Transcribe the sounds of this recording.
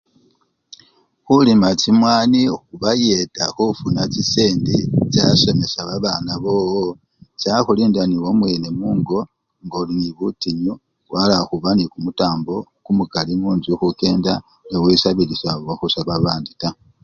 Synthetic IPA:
xulimat͡simwaːnixuβajetaxufunat͡ʃiseːndit͡ʃaso̞me̞saβaβanaβo̞ːwo | t͡ʃaxuliːndaniwomwe̞ne̞muːŋɡo̞ | ŋɡoliniβutiɲu | walaxuβanikumutaːmbo̞ | kumukalimuːnzuxuke̞ːnda | newisaβilisawaxusaβaβaːndita

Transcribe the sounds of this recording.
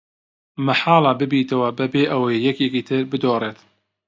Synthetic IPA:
mɐħaːlˠɑbɨbiːt̪ɐwɐbɐbeːʔɐwɐjːɛkjekiːt̪ʰɨɾbɨd̪oːreːt̪

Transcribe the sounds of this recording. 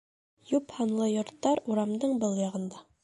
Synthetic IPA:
juphɑnlˠɤjŏɾt̪ːɑɾuɾɑmd̪ɤɴbɤlˠjɑʁɤ̆nd̪ɑ

